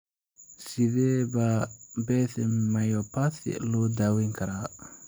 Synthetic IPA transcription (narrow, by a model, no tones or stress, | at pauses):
sɪðɛːbabɛθɪmajɔpʰaθɪ̰lɔːd̪aːwiŋkʰɐɾaː